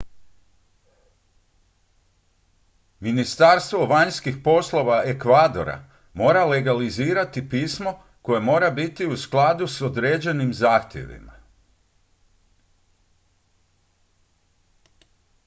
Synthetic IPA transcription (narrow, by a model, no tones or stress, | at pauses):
minist̪aɾst̪ʋo̞ʋaɲskixpo̞slˠo̞ʋae̞kʋaːd̪o̞̰ɾa̰ | mo̞ːɾaleɡaliziːɾat̪ipiːsmo̞ | ko̞je̞mo̞ːɾabit̪iusklˠad̪usod̪ɾeːd͡ʑe̞nimzaːxt̪je̞̰ʋḭma̰